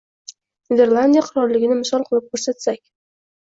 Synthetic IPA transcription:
nʲed̪e̞ɾlˠand̪ʲijaqʰɑɾɒɾlɪɡʲɪnɪmɪsɒlˠqʰɨlˠɪp̚kʰɵɾsat̪sakʲ

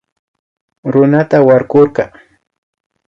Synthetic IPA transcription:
ɾʊnat̪awaɾɢoɾqɑ

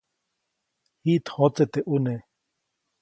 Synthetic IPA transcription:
hiːt̪ʰhot͡set̪eʔune

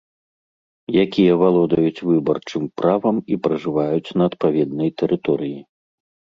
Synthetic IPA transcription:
jakʲijɐvalˠɔd̪ɐjut͡sʲvɨbɐrt͡ʂɨmpɾavɐmipɾɐʐɨvajut͡sʲnɐːt̪̚pavʲɛd̪nɐjt̪ɛɾʔɨt̪ɔɾɨji

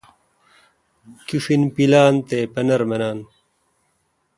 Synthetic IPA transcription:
kifinpilaːnt̪eːpɐnɐɾmɐnaːn

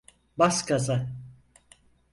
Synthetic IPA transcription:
baskaza

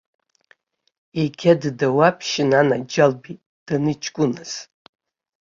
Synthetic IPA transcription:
eɡʲaddawapʰʃɪnanad͡ʒalbi | d̥anɨt͡ʃʰʼkʷʼʊnɨz̥

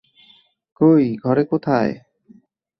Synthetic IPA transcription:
kojɡʱɔɾekot̪ʰae

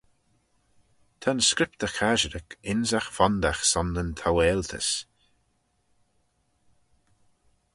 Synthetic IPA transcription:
t̪ʰənskɾɪp̚t̪əxʰaʒəɾəkɪnzaxfand̪axsɔnːənt̪ʰaweːlt̪ʰə̰s

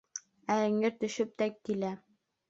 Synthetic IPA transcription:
æɘ̆ŋɘɾt̪ɵ̆ʃɵp̚t̪ækkilæ

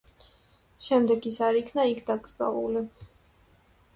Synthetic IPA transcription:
ʃɛmd̪ɛɡisaɾikʰnaikʰd̪aɡɾd̪zʼɛ̰vṵli

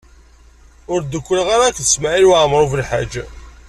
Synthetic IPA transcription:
ʊɾd̪əkʷːəlʁaɾakθəsmaʕilwaʕmɾˤuvəlħa̰d͡ʒ

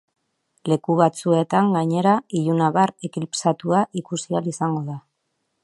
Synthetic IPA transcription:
le̞kuβat͡sue̞t̪aŋɡaɲe̞ɾaiʎunaβarekilpsat̪uaʔikusialisaŋɡo̞ða

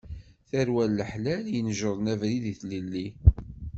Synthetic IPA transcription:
θæɾwælːəħlæljənʒəɾˤnævɾiðiθlilːi

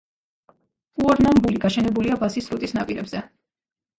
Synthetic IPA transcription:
uɔɾnambuliɡaʃɛnɛbuliabasisɾut̪ʼisnapʼiɾɛbz̥ɛ

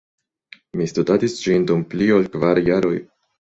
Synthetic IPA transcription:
mistudatisd͡ʒindumpliolkvaɾjaɾo̞j

